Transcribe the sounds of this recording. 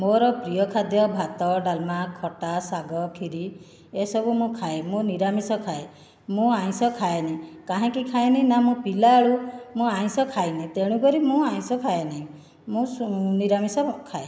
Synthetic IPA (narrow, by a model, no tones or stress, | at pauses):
moɾɔpɾijɔkʰad̪jɔbʱat̪ɔɖalmakʰɔʈasaɡɔkʰiɾi | esɔbumũkʰaemũniɾamisɔkʰae | mũaj̃sɔkʰaenakaɦɛ̃kikʰaenãnamũpilaːɭumũaj̃sɔkʰajnit̪eɽ̃ũk̬ɔɾimũaĩsɔkʰaenaĩ | mũniɾamisɔkʰae